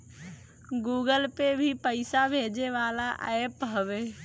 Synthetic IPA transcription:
ɡuːɡəlpebʱipəɪsabʱeːd͡ʒeʋaːlaʔa̰epɦəʋeː

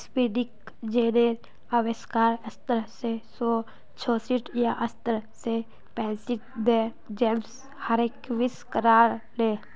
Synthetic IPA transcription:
spiɖɪk | d͡ʒeːneɾ | aʋeskaːɾɐst̪əɾsesoː | t͡ʃʰoːsiʈʰjaʔəst̪əɾse | pɛ̃ːsiʈd̪e | d͡ʒeːms | həɾekʋɪskəɾaːɾleː

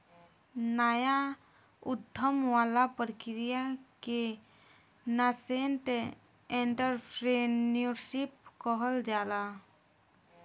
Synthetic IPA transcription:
naːja | ʊd̪ʱːəmwaːlapəɾkɪɾijake | nasenʈ | ẽɳʈəɾpʰɾenjoɾʃip̚kɔɦəld͡ʒaːla

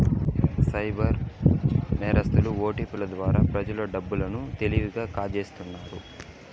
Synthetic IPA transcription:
sɐjbɐɾ | nɛːɾɐst̪uluoːʈipulɐd̪ʋaːɾaːpɾɐd͡ʒɐloɖɐbːulɐnut̪e̞liʋiɡaːkaːd͡ʒeːst̪unːaːɾu

